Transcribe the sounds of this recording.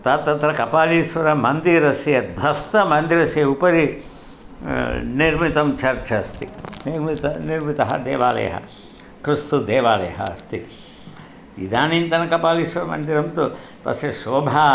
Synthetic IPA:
t̪ɐt̪ːɐt̪ɾɐkɐpaːliːʃʋɐɾɐmɐnd̪iːɾɐsjɐd̪ʱɐst̪ɐmɐnd̪iɾɐsjeupɐɾi | niɾmit̪ɐmt͡ʃɐɾt͡ʃɐst̪iniɾmit̪ɐniɾmit̪ɐɦɐ̰d̪eːʋaːlɐ̰ːɐ̰ɦɐ̰ | kɾist̪ud̪eːʋaːlɐ̰jɐɦɐ̰ːst̪i | ʋḭd̪aːniːnt̪ɐnɐkɐpaːliːʂʋɐɾɐmɐ̰nd̪iɾɐmt̪u | t̪ɐ̰sjɐʃoːbʱa

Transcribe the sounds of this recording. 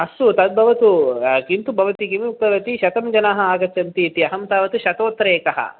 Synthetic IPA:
ɐsut̪ɐd̪̚bʱɐʋɐt̪ukint̪ubʱɐʋɐt̪ikimiuk̚pɐʋɐt̪iʃɐt̪ɐmd͡ʒɐnaːɦɐaːɡɐt͡ʃɐnt̪iɐt̪iɐɦɐmt̪aːʋɐt̪uʃɐt̪oːt̪ɾeːkɐɦɐ̰

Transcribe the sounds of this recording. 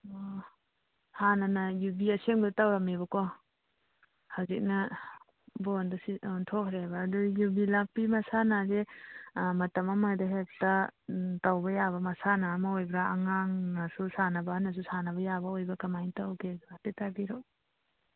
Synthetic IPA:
hanɐnɐjubiɐseŋbtawɾamebɐkɔ | hawzik̚nɐ | bondɐsintʰɔkʰɾebɐːdujubilapːimɐsanaze | mɐtɐmɐmadɐɦek̚tɐtawbɐjaβɐmɐsanamaojbɾaːŋaŋnɐsusanɐbɐnɐs̬usanɐbɐjabɐojbɐkɐmajntawkeɡatetabiɾo

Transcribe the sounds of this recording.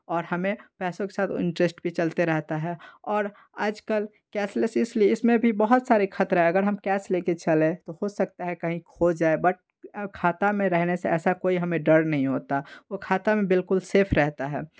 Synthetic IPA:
ɔːɾhɐmẽpɛːsõke̥saːt̪ʰɪ̰̃nʈɾesʈbʱit͡ʃɐlt̪eɾɛɦt̪aɦɛɔːɾ | aːd͡ʒkəl | kɛːsləsɪslieɪsmẽbʱibəɦʊt̪saːɾikʰɐt̪ɾɦɛ̃ɐɡəɾɦɐmkɛːsleːket͡ʃɐlẽt̪ohosɐk̚t̪aɦɛkɐɦĩkʰod͡ʒaːebɐʈ̚ | kʰaːt̪amẽɾɛɦneseɛːsakoːiɦɐmẽɖəɾnɐɦĩɦoːt̪aʋokʰaːt̪amẽbɪlkʊlseːpʰɾɛɦt̪aɦɛː

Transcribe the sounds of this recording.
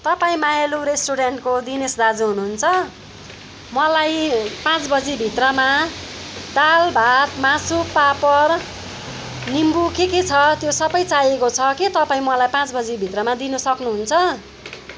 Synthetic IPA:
t̪ʌpaĩmajeluɾesʈuɽeɳʈkod̪inesd̪ad͡zuɦunuɦunt͡sʰʌ | mʌlajpãt͡sbʌd͡zibʱit̪rʌma | d̪albʱat̪mãsupapʌr | nimbukeket͡sʰʌt̪josʌbʌjt͡sajekot͡sʰʌkit̪ʌpãĩmʌlajpãt͡sbʌd͡zibʱit̪rʌmad̪inʌsʌknuɦunt͡sʰʌ

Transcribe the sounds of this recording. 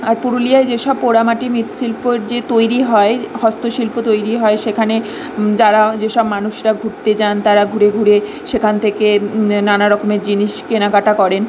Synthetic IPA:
aɾpuɾolijaed͡ʑeʃɔbpoɾamaʈimit̪ʃilpoɾd͡ʑet̪ojɾiɦɔeɦɔst̪oʃilpot̪ojɾiɦɔeʃekʰane | d͡ʑaɾad͡ʑeʃɔbmanuʃɾaɡʱuɾt̪et͡ɕant̪aɾaɡʱuɾeɡʱuɾe | ʃekʰant̪ʰekenanaɾɔkomeɾd͡ʑiniʃkenakaʈakɔɾen

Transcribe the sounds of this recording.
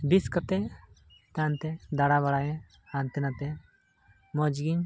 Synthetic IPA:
biskət̪ɛ | t̪ant̪ɛd̪aɽaβaɽajɛ̃ | ant̪ɛnat̪ɛ | mɔd͡ʒɡiɲ

